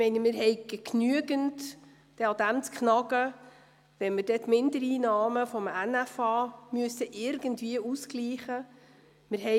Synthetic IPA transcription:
mɛɪnəmɪɾɦɛɪɡɛknyəɡənt | d̥ɛɑd̥̪æmt͡skχnɑɡə | ʋɛnmɪɾdɛtmɪndəɾiːnɑːməfɔmænæfɑːmyəsəʔɪɾɡəntviəuskliːχə | mɪɾɦɛ

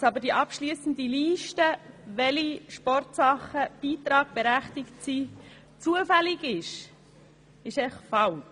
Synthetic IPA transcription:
sɑbəɾd̥iːʔɑpʃliːsən̩d̪iliːʃtə | ʋɛliʃpɔrtsɑχəb̥iːt̪ɾɑːɡ̚b̥ɛɾæχtɪktsiː | t͡suəfælɪɡɪʃ | ɪʃɛχfɑl

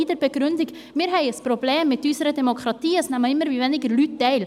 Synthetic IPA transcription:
iːd̪əɾpəɡɾʉnd̪ɪɡ | miɾhœʏəspʰɾʊbleːmːɛt̪yːsəɾəd̪ɛmʊkʰɾɑt̪iːəsnæmɑɪməɾʋiʋɛnːɪɡəɾlʉːt̪̚d̪ɛɪl

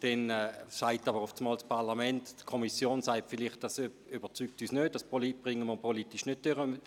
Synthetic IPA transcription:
d̥ɛnɛsaɪtɑbəʁʊft͡smɑːlspʰaʁlamɛnttkʰɔmisjoːnsaɪtfɪlɪχt̚d̥as | ybət͡syk̚tyːsnøːd̚d̥aspolib̥ʁɪŋəməpʰɔlitɪʃnøt̚d̥øʁə

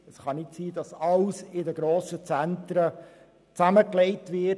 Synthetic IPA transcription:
əsχɑnɪtsiːdɑsɑlsɪdəɡɾoːsət͡sæntɾə | t͡sæməklɛɪtʋɪ

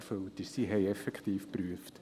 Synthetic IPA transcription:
føltɪsiɦɛɪɛfɛkχtiːfpryəft

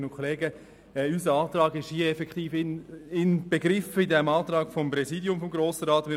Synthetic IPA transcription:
nʊkʰoleːɡə | ɛysəɑːtrɑːɡɪʃhiəɛfɛkχtiːfɪnɪnb̥eɡɾɪfəidɛmɑːtrɑːɡ̥fɔmpɾɛziːdjʊmfɔmɡɾoːsəɾɑːtmɪ

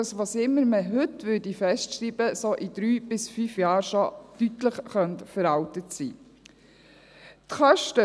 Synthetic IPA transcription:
ɑsʋɑːsɪmːəɾməɦɵtʋʏdifɛstʃɾiːb̥əsoʔidɾyːb̥ɪsfyːfjɑːɾʃɔtytləχχœnt̪fəɾɑwtətsḭː | tχœʃtə

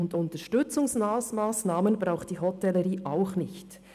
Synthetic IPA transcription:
ʊndʊntəʃtʏt͡sʊŋsmaːsmaːsnaːmənbɾaʊxt̚d̥iːɦɔtɛləɾiːʔaʊχnɪçt

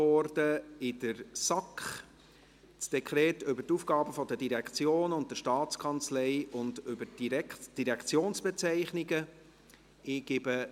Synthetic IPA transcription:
ɔɾd̥əɪdəɾsɑkχ | t͡sd̥ɛkʰɾɛːtʏbətufɡ̥ɑːbəfɔdədiɾɛkt͡sjoːnʊnt̚dəʃtɑːt͡skʰɑnt͡slɛɪʊndʏbəd̥iɾɛkʰt͡sjoːnsb̥ɛt͡sɛɪχnɪɡə | ɪɡ̥ɪbə

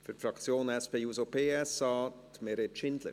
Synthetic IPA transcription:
fyɾfɾɑkt͡sjoːnɛspeːusopʰeːɛsɑːt̪meɾetʃɪnd̪lə̰

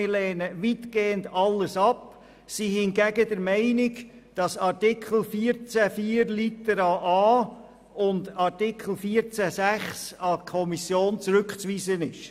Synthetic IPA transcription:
ɪlɛːnəʋitɡ̥eːəndɑlːəsɑp | sihɪnɡæɡədəɾmɛɪnɪkd̥ɑsɑɾtɪkχl̩ˠfiːəɾt͡sæfiːəɾlit̪əɾɑʔɑː | ʊndɑɾtɪkʰl̩ˠfiːəɾt͡sæsæχsɑkʰɔmisjoːnt͡sɾʏkχt͡sʋiːsənɪʃ

